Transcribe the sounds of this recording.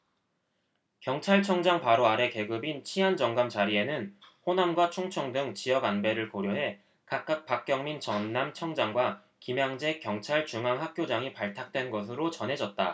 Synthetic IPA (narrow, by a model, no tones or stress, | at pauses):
kjʌŋt͡ɕʰaɭt͡ɕʰʌŋd͡ʑaŋpaɾoaɾe̞ke̞ɡɯbint͡ɕʰiɦand͡ʑʌŋɡamt͡ɕaɾie̞nɯnɸonamɡwat͡ɕʰoŋt͡ɕʰʌŋdɯŋt͡ɕiʌɡanbe̞ɾɯɭkoɾjoɦe̞ | kak̚k͈ak̚p͈ak̚k͈jʌŋmint͡ɕʌnːamt͡ɕʰʌŋd͡ʑaŋɡwa | kimjaŋd͡ʑe̞kjʌŋt͡ɕʰaɭt͡ɕuŋaŋɦak̚k͈jod͡ʑaŋipaɭtʰak̚t͈we̞nɡʌs̬ʰɯɾot͡ɕʌnɦe̞d͡ʑʌt̚t͈a̰